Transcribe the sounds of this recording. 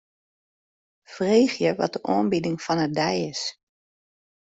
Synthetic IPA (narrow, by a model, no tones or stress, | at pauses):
freːxjəʋɔ̰t̚d̥əʔɔ̰ːmbidɪŋfɔnədɛjɪs